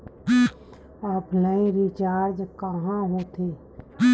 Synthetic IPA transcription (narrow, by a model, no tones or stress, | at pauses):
aːpnəĩɾit͡ʃaːɾd͡ʒkəɦãɦot̪ʰe